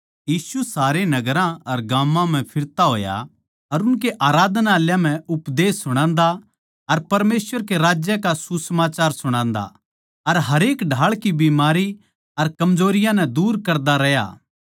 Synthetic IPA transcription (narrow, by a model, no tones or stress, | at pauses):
jiːsusaːɾenɐɡɾãɐɾɡãːmːãm̤ɛ̃pʰɪɾt̪aɦo̰ːja̰ | ɐɾʊnk̬eʔaːɾaːd̪naːljãm̤ɛ̃ʊpd̪eːsːʊɽ̃ãːnd̪a | ɐɾpɐɾmeːsʋəɾk̬eɾaːd͡ʒjəkasusəmaːt͡ʃaːɾsʊɽ̃ãːnd̪a̰ | ɐɾɦɐɾeːkɖʱaːɭkibimaːɾi | ɐɾkɐmd͡ʒoːɾɪjãnɛ̃d̪uːɾkɐɾd̪aɾɛɦja̰ː